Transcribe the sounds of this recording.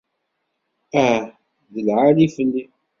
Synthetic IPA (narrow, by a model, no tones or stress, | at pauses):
æ | ðəlʕalifənːi